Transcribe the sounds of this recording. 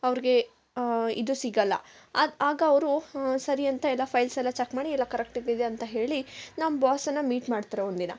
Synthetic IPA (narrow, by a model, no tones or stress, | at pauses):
ɐʋɾiɡe̞ | ḭd̪usiɡɐlːɐ̰ | aːɡɐːʋɾusɐɾiɐnt̪ɐɛlːɐpʰɐjlsɛlːɐt͡ʃekmaːɽiɛlːɐkɐɾek̚ʈiɡid̪eɐnt̪ɐɦe̞ːɭinaːmbaːsɐnːɐmiːʈmaːɖt̪aɾeond̪inɐ̰